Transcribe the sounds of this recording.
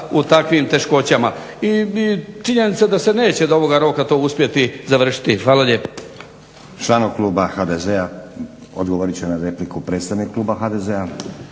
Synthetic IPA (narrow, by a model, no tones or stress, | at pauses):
ut̪akʋimt̪e̞ʃko̞t͡ɕama | iit͡ʃiɲe̞nit̪sad̪ase̞ne̞ːt͡ɕe̞d̪o̞ʋo̞ɡaɾo̞ːkat̪o̞ːuspje̞t̪izaʋr̩ʃi̥t̪ihʋaːlaʎe̞ːpḁ | t͡ʃlanoklˠuːbaxaːd̪ezea | od̪ɡoʋoɾit͡ɕenaɾe̞plikupɾet̪st̪aʋnikkːlˠuːbaxaːd̪ezea